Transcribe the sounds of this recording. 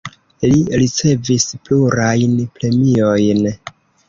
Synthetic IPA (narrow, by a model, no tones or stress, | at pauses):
liɾit͡se̞vispluɾajnpɾe̞mio̞jn